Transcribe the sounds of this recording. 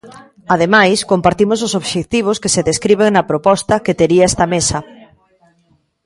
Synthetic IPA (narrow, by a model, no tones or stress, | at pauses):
að̞emajskompaɾt̪imos̬osoβʃek̚t̪iβ̞oskeseðeskɾiβ̞eŋnɐpɾopɔst̪ɐket̪eɾiɐɛst̪ɐmesɐ